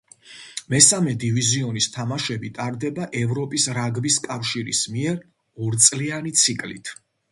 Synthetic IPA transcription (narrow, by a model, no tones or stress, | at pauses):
mɛsamɛd̪iviziɔnist̪ʰamaʃɛbit̪ʼaɾd̪ɛbaʔɛvɾɔpʼisɾaɡbiskʼafʃiɾḭsmiɛɾ | ɔɾt̪sʼlianit̪sʰikʼlḭt̪ʰ